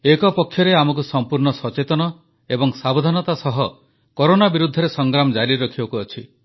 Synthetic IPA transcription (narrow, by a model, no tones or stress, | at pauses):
ekɔpɔkʰːjɔɾeamɔk̬usɔmpuɾɳɔsɔt͡ʃet̪ɔnɔ | ebɔŋsabod̪ʱanɔt̪asɔɦɔ | kɔɾonabiɾud̪ʱːɔɾesɔŋɡɾamɔd͡ʒaɾiɾɔkʰibɔkuɔt͡ʃʰi